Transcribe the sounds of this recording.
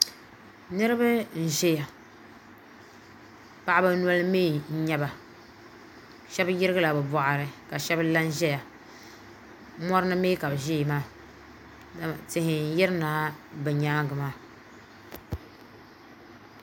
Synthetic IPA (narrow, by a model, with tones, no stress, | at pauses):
nɨ˦ɾɨ˦ba˦n̩˨ʒɛ˦ja˨ | pa˨ʔa˦ba˦nu˦a˦lɨ˦meː˦n̩˦ɲɛ˦ba˨ | ʃɛ˦bjɪ˦ɾɨ˦ɡɨ˦la˨bɛ˨bɔ˨ʔa˨ɾɨ˨ka˨ʃɛ˦bla˦n˦ʒɛ˦ja˨˦ | mɔ˦ɾɨ˦nɨ˦meː˦ka˨bɨ˨ʒe˦˨maː˦˨ | tɪ˨hɪ˨n̩˨˦jɪ˦ɾɨ˦naː˨˦bɛ˨ɲaː˦ŋɡɨ˨maː˦˨